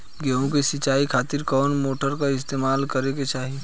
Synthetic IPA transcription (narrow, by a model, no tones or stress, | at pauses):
ɡeɦõkesɪt͡ʃːaːikʰaːt̪ɪɾkɔːnmoːʈəɾkaɪst̪eːmaːlkɐɾeket͡ʃaːɦi